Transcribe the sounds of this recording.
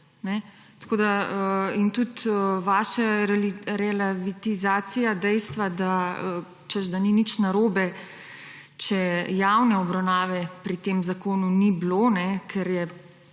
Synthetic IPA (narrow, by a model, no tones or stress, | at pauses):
nɛ | t̪koːd̪aəint̪ut̪əʋaːʃaɾɛliɾɛlaʋit̪izaːsijad̪ɛjst̪ʋad̪aə | t͡ʃəzd̪aninit͡ʃnaɾoːbɛ | t͡ʃɛjawnɛɔbɾawnaːʋɛpɾit̪eːmzakoːnuniblonɛkʰɛɾjɛ